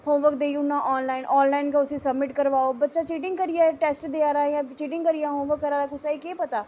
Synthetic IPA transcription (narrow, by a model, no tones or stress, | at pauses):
hõːʋəkd̪eiʊnːãːʔɔːnlaːɪnʔɔːnlaːɪnkaːʊsĩːsəbmɪʈkəɾʋaːoːbətːʃaːt͡ʃiːʈɪ̃ŋɡkəɾɪjaːʈɛːsʈd̪eaːɾaːjãːt͡ʃiːʈɪ̃ŋɡkəɾɪjãːɦõːʋəkːəɾaːɾaːkʊsaːiːkeːpət̪aː